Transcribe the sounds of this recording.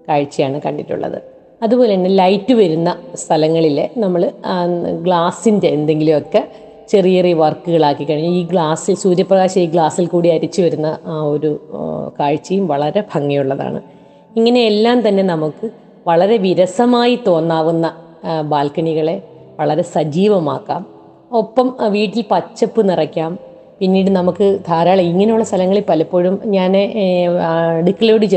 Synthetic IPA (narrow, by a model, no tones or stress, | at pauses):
kaːɻt͡ɕːijaːɳɨkɐɳɖitːṵɭːɐ̰ðɨ̰ | ɐðubo̞ːlenːelɐjtːɨʋɐɾunːɐst̪ʰɐlɐŋːɐɭile̞̰nɐmːɐɭ | ɡɭaːsinde̞ːnd̪e̞ŋɡilumokːe̞ | t͡ɕe̞rijɐriʋɐrkːuɣɐɭaːkːikːɐɻiɲːuiːɡɭaːsilsuːɾjɐprɐɣaːɕɐmiːɡɭaːsilkuːɽiɐɾit͡ɕːɨʋɐɾunːɐʔaːo̞ɾukaːɻt͡ɕːijumʋɐɭɐɾe̞bʱɐŋːɐjuɭːɐða̰ːɳɨ̰ | iŋːɐne̞ːlːaːmt̪ɐnːe̞nɐmukːɨ | ʋɐɭɐɾe̞ʋiɾɐsɐmaːjit̪o̞ːnːaːʋunːɐ | baːlkɐɳiɣɐɭe̞ | ʋɐɭɐɾe̞sɐd͡ʑiːʋɐma̰ːkːaːm | o̞pːɐmʋiːʈːilpɐt͡ɕːɐpːɨnirɐkʲːaːm | pinːiːɽɨnɐmukːɨd̪ʰʱaːɾaːɭɐiŋːɐnejuɭːɐst̪ʰɐlɐŋːɐɭilpɐlɐpːo̞ːɻumɲaːne | eɽukːɐɭjo̞ːɽɨt͡ɕe